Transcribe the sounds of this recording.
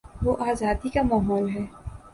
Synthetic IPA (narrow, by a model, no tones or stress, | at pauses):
ʋoːʔaːzaːd̪ikamaːɦɔːlɦɛː